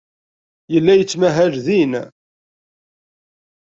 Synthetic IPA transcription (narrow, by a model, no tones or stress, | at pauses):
jəlːæjət͡sːmæɦæʒðin